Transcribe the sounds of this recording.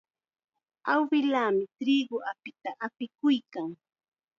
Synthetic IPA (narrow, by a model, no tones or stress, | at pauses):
awɢɪlaːmɪt̪ɾɪːɢʊʔapɪt̪aʔapɪkʊjkaŋ